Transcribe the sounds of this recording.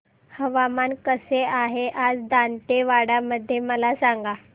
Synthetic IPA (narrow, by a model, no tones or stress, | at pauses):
həʋamankəseaɦeʔad͡zd̪anʈ̪eʋaɽaməd̪ʱːjeməlasaŋɡa